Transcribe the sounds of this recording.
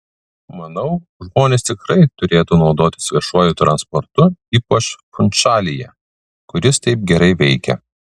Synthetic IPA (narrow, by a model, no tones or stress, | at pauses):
mɐnɐʊ | ʒmoːnʲeːst̪ʲɪkɾɐɪt̪ʊɾʲeːt̪uːnɒʊd̪oːt̪ʲɪ̥sʋʲiɛʃuɔjʊt̪ɾɐnspɔɾt̪ʊiːpɐt͡ʃfʊnʲt͡ʃɑːlʲɪjɛ | kʊɾʲɪst̪ɐɪp̚ɡʲɛɾɐɪʋʲɛɪkʲɛ̰